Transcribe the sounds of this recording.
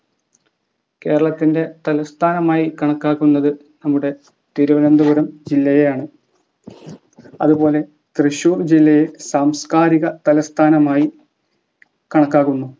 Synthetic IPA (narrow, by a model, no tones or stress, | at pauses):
ke̞ːɾɐɭɐt̪ːinde̞t̪ɐlɐst̪ʰaːnɐmaːjikɐɳɐkːaːɣːunːɐðɨ | nɐmːuɽe̞ | t̪iɾuʋɐnɐnd̪uɣuɾɐmd͡ʑilːɐjejaːɳɨ | ɐ̰ðubo̞ːle̞ | t̪rɨɕuːrd͡ʑilːɐjesaːmskaːɾiɣɐt̪ɐlɐst̪ʰaːnɐmaːji | kɐɳɐkːaːɣunːu